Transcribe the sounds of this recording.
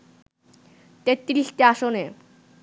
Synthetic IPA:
t̪et̪ːɾiɬt̪eaʃone

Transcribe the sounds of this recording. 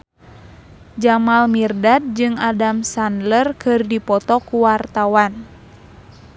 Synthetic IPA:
d͡ʒamalmirdat̪̚d͡ʒɨŋadamsandlərkɨrdipɔt̪ɔkuwart̪awan

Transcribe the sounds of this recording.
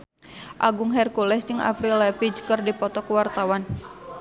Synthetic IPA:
ʔaɡʊŋɦɛrkulɛsd͡ʒəŋʔa̰pɾilɛpid͡ʒkərdipɔt̪ɔkəwart̪awan

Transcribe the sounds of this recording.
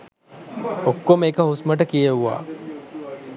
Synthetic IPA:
okːomeːkəɦusməʈ̬əkijəuʋa̰ː

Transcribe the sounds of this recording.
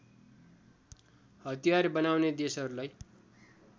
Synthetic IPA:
hʌt̪ijarbʌnawned̪esʌɾulaj

